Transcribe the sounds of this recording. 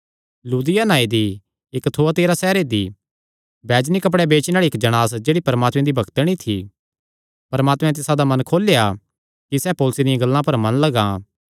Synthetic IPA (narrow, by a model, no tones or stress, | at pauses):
luːd̪ɪjanaːid̪i | ɪkt̪ʰoːat̪eːɾasɛːɾed̪i | bɛːd͡ʒnikɐp̬ɽɛbeːt͡ʃinaːɭiɪkd͡ʒɐɽ̃aːsd͡ʒeːɽipɐɾmaːt̪mɛ̃d̪ibʱɐkt̪ɽ̃it̪ʰi | pɐɾmaːt̪mɛ̃t̪̬ɪsãd̪amɐ̃nkʰoːleja | kisɛpoːlʊsed̪ɪjãɡɐlːãpɐɾmɐnlɐɡã